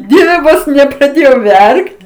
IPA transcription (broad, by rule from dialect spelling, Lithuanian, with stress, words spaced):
ˈdʲiɛʋʲɛ ˈʋoːs nʲɛprɐˈdʲeːjɛʊ ˈʋʲɛrkt